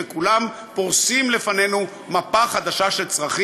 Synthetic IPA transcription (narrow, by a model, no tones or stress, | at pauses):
ekulam | poʁsimle̞fane̞nu | mapaχad̪aʃaʃe̞lt͡sʁaχi